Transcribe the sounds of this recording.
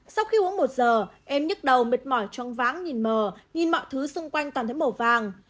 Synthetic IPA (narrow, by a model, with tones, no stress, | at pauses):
sa˧wxi˧ʔu˨˦əŋmo˨˩t̚zəː˨˩ʔɛ˧mɲɨ˦˥t̚ɗə˨˩wmi˨˩t̚mɔ˧˩jt͡ɕɔ˧ŋ͡mvaː˨˦ŋɲi˨˩nməː˨˩ɲi˨˩nmɔ̰˧˨jt̪ʰɨ˨˦sʊ˧ŋ͡mkwa˧jŋ̟t̪wa˨˩t̪ʰə˨˦jmo˧˩vaː˨˩ŋ